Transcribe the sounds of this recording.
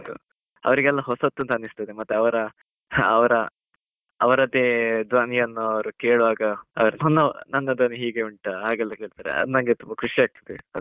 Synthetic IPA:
d̪ṵ | ɐ̰ʋɐɾiɡɛlːɐɦɔsɐt̪ːuɐnt̪ɐnːist̪ɐd̪emɐt̪ːeɐʋɐɾɐː | ʋɐɾɐ | ɐʋɐɾɐd̪ed̪ʋaːnijɐnːuɐʋɐɾukeːɭuʋaːɡɐɐʋɐɾunɐnːɐnɐnːɐd̪ɐnuɦiːɡeuɳʈɐɦaːɡɛlːɐke̞ːɭit̪aːɾḛɐ̰d̪unɐŋɡet̪umbɐkʰuʂiaːɡ̚t̪ɐd̪eɐd̪

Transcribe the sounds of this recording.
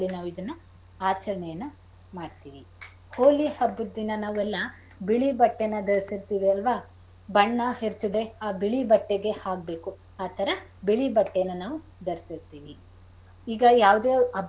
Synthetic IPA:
lːinaːʋuid̪ɐnːu | aːt͡ʃɐɾɐɳɛjɐnːu | maːɖt̪iːʋi | hoːlihɐbːud̪ːinːɐnaːʋuɛlːɐ | biɭibɐʈːenːɐd̪ɐɾisiɾt̪iːʋiɐlʋa | bɐɳːɐheɾt͡ʃud̪eaːbiɭibɐʈːeɡe̞haːɡ̚be̞ːku | aːt̪ʰɐɾɐbiɭibɐʈːejɐnːɐnaːʋu | d̪ɐɾisiɾt̪iːʋi | iːɡɐjaːʋd̪eːɐ

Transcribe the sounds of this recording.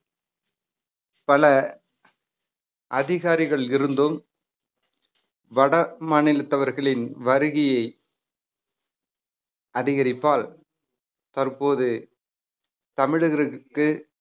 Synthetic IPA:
pɐlɐ | ʔɐðɪɣaːɾɪɣɐɭɪɾɯnd̪ɯm | ʋɐɽɐmɐnɪlɯt̪ːɐʋɐɾɣɐɭɪnʋɐɾɯɣɪjɐɪ | ʔɐðɪɣɐɾɪpːaːl | t̪ɐɾpoːðɯ | t̪ɐmɪɻɯɣɪɾɯkːɯ

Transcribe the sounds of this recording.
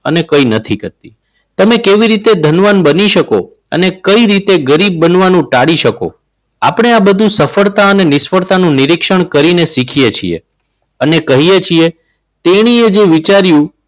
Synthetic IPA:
ənekəinət̪ʰikəɾt̪ḭ | t̪əmẽkeʋiɾit̪ed̪ʱənʋanbəniʃəko̰ | ə̰nekəiɾit̪eɡəɾib̚ːənʋanũʈaɽiʃəko̰ | a̰pɳ̃eabəd̪ʱũsəfəɭt̪aənenɪsfəɾt̪anũniɾikʃəɳ̃kəɾinesikʰijet͡ʃʰḭḛ | ənekəɦijet͡ʃʰie | t̪eɽ̃ied͡ʒeʋit͡ʃaɾjũ

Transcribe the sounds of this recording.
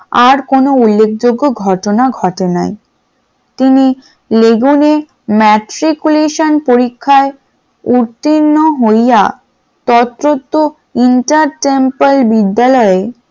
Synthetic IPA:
aɾkonoulːek̚ʰd͡ʑoɡːoɡʱɔʈonaɡʱɔʈena̰j | t̪ini | leɡune | mɛʈɾikuleʃonpoɾikʰːae | uɾt̪ːinːoɦojja | t̪ɔt̪ːɾot̪ːo | iɳʈaɾʈempalbid̪ːalɔe

